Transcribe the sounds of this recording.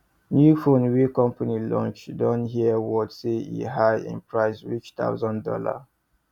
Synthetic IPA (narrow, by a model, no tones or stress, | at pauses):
njufõnwekɔ̃mpanilɔ̰̃nt͡ʃdɔ̃nɦiəwɔdseḭɦajɪ̰̃npɹaɪsɹit͡ʃt̪a̰ʊzɔ̃ndɔ̰la̰